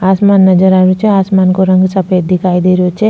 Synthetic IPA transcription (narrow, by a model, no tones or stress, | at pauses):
asmanːəd͡ʒəɾaɾut͡ʃʰeasmankoɾəŋɡsəpʰejd̪ikʰajd̪iɾot͡ʃʰe